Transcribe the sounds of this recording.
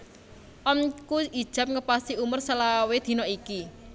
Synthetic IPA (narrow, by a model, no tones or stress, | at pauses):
ʔɔnkuid̥ʒ̥a̤p̚ŋəpasiumʊrsəlawed̪̥i̤nɔiki